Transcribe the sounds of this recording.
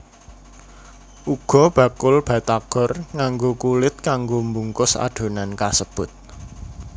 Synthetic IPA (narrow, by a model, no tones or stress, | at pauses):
ʔuɡ̥ɔ̤b̥ä̤kʊlb̥a̤t̪aɡ̥ɔ̤rŋaŋɡokulɪt̪̚kaŋɡombuŋkʊsa̰ɖ̥o̤nankasəb̥ʊt̪̚